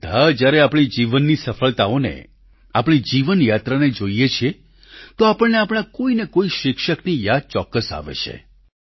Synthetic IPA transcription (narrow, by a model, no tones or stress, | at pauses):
d̪ʱad͡ʒjaɾeapɽ̃id͡ʒiʋənːisəfəlt̪aonḛ | apɽ̃id͡ʒiʋənjat̪ɾaned͡ʒoijet͡ʃʰie | t̪oapəɭneapɽ̃akoinekoiʃɪkʃəknijad̪̚t͡ʃɔkːəsa̰ʋḛt͡ʃʰḛ